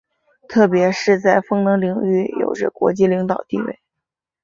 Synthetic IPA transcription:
t̪ʰɤ˥˩pjɛ˧˥ʂɻ̩˥˧t͡sa˥˩ɪfɤ˥ŋnɤ˧˥ŋli˧˥ŋy˥˩jo̰˨˩ʊʈ͡ʂə̰˧kwɔ̰˧˥t͡ɕi˥˩li˧˥ŋt̪ɑ˨˩ʊt̪ḭ˥˧wḛ˥˩ɪ

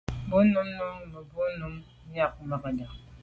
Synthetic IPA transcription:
bu˦nu˦mnu˦mə˨bu˦nu˦m˦ | ja˦kma˨ka˨da˨

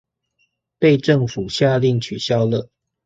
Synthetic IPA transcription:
pe˥˧ɪʈ͡ʂə˥˨˩ŋfu˨˩ɕja˥˧li˥˩ŋt͡ɕʰy˨˩ɕjɑ˦˥ʊlə˨

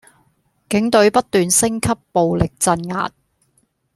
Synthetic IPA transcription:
kɪ˨˥ŋt̪ɵ˨˥ɥpɐ˥t̚t̪yː˨nsɪ˥ŋkʰɐ˥pːo˨wlɪ˨k̚t͡sɐ˧nŋa̰ː˨t̚

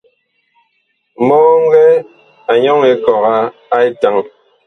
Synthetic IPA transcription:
mɔ˦ɣɔ˦ŋ̩˦ɡɛ˦ | a˨ɲɔ˦ŋe˨kɔ˨ɣa˦a˦e˦ta˨ŋ

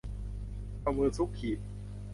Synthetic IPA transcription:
pa˧mɯː˧nsʰu˦˥kʰːi˨˩t̪̚

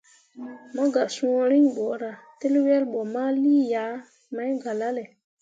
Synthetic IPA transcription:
ma˦ɡa˨sũ˨˦ɾi˦ɲɓo˨ɾa˨te˦lwe˦lɓo˨ma˦liː˦ja˨˦ | ma˦jɡa˨la˦le˨

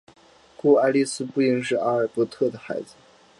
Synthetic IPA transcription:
ku˥˩a˥ɪli˥˧sɹ̩˥pu˥˩i˥ŋʂ̬ɻ̩˥˩a˥ə˞˨˩pɔ˧˥t̪ʰɤ˥˩d̪ə˩xa˧˥ɪd͡zɹ̩˧

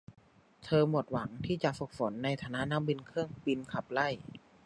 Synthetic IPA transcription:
t̪ʰɤː˧mu˨˩ət̪̚wa˩˦ŋt̪ʰiː˥˩t͡ɕa˨˩ʔfu˨˩k̚fo˩˦nːa˧jt̪ʰaː˧na˦˥ʔna˧˥mbi˧nkʰɯ˥˩əŋbi˧nkʰa˨˩p̚la˥˩j

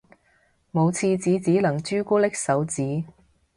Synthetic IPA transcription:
mo˨˧wt͡sʰiː˧t͡siː˨˧t͡siː˨˥lɐ˨˩ŋt͡ʃyː˥kuː˥lɪ˥k̚sɐ˨˥wt͡siː˨˥

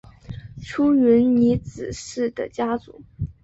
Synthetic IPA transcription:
ʈ͡ʂʰu˥ɥy˧˥nni˧˥t͡sɹ̩˨˩ʂɻ̩˥˩d̪ə̰˩t͡ɕja˥t͡sṵ˨˩˥

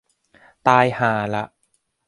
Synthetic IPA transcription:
t̪aː˧jhaː˩˦la̰˨˧˩ʔ

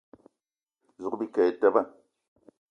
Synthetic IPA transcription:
zu˨kbi˦ka˨je˨ta˦˨ba˦

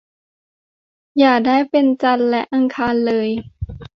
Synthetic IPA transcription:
jaː˨˩k̚daː˥˩jpe˧nt͡ɕa˧nlɛ˦˥ʔa˧ŋkʰaː˧nlɤː˧j

